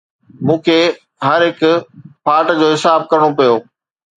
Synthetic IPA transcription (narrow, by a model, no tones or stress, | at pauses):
mũːkʰeː | ɦɐɾɦɪkʊpʰaːʈd͡ʑoːɦɪsaːb̚kɐɾɽ̃opɐjoː